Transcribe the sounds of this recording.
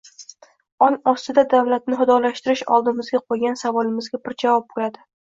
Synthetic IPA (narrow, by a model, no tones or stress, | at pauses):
ɒnɒst̪ɪd̪ad̪avlat̪̚nɪɦʊd̪ɒlaʃt̪ɪɾɪʃɒ̰lˠd̪ɪmɪzɡʲaqʰojɡʲansavɒlɪmɪzɡʲabɪɾd͡ʒavɒp̚bolad̪ɪ